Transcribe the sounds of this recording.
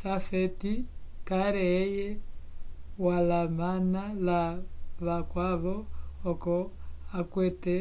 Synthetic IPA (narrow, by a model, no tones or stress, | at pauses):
safɛtikaɾɛːjɛ | walamanalaβakwaβɔːkɔakwɛtɛ